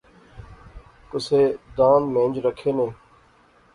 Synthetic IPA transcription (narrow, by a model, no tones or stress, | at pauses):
kʊseːd̪ãːnmẽːnd͡ʒɾəkʰːeːnẽː